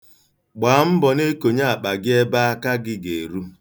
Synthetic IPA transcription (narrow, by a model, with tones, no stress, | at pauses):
ɡ͡baː˨˦m̩˦bɔ˨ne˦ko˨ɲa˦a˨k͡pa˨ɡɪ˦e˦ba˦a˦ka˦ɡɪ˦ɡe˨ɾu˦